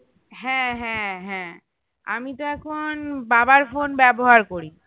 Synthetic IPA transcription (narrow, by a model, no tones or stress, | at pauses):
ɦɛ̃ɦɛ̃ɦɛ̃ | a̰mit̪oɛkʰonbabaɾfonbɛboɦaɾkoɾi